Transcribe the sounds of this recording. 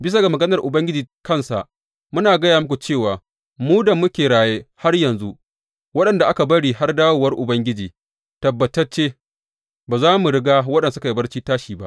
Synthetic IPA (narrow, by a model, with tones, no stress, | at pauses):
bɪ˦s̬a˨ɡa˨mɐ˨ɡɐ˦nɐ˨rʔʊ˨bɐ˦ŋɡʲɪ˦d͡ʒiː˨kɐ˦˨nsa̰˨ʔ | mʊ˦naː˨ɡɐ˦jaː˨mʊ˦kʷu˨t͡ʃeː˦˨waː˨ | muː˦da˨mʊ˦kʲeː˨ɽaː˨jeː˦ha˦rjɐ˨nzu˦ | wɐ˦ɗɐ˨nda˨ʔa˦ka˨bɐ˦ɽiː˦ha˦rdaː˦woː˨wɐ˦rʔʊ˨bɐ˦ŋɡʲɪ˦d͡ʒiː˨ | tɐ˨bːɐ˨tɐ˦rt͡ʃeː˦ | baː˨zaː˦mu˨ɽɪ˦ɡaː˦wɐ˦ɗɐ˨nsʊ˦ka˨ji˦bɐ˦rt͡ʃiː˦taː˦ʃiː˨ba̰˦ʔ